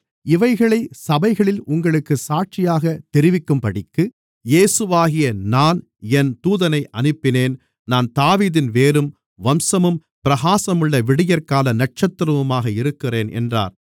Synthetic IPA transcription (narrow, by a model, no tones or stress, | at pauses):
ɪʋɐɪɣɐɭɐɪsɐbɐɪɣɐɭɪlʊŋɡɐɭɯkːɯsaːʈ̚t͡ʃɪjaːɣɐt̪ɛɾɪʋɪkːɯmpɐɽɪkːɯ | jeːsɯʋaːɣɪjɐnaːn | ɛnt̪uːðɐnɐɪʔɐnɯpːɪneːn | naːnt̪aːʋiːðɪnʋeːɾɯm | ʋɐmsɐmɯm | pɪɾɐɣaːsɐmɯɭːɐʋɪɽɪjɐɾkaːlɐnɐʈ̚t͡ʃɐt̪ːɾɐʋɯmaːɣɐɪɾɯkːɪreːnʔɛ̰ndra̰ːɾ